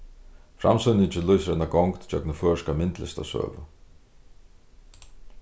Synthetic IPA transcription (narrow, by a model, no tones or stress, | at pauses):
fɾa̰msʏnɪtʰɪlujsɾɛnaɡɔŋkt̪t͡ɕœknəfœːʂkamɪnt̪lɪ̰st̪a̰sœ̰ːvə